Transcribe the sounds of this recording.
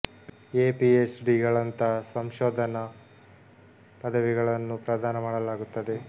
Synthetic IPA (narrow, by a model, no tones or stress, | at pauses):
eːpiet͡ʃɖiːɡɐɭɐnt̪ɐsɐmʃoːd̪ʱɐnɐ | pɐd̪ʱɐʋiɡɐɭɐnːupɾɐd̪ʱaːnɐmaːɽɐlaːɡut̪ːɐd̪e̞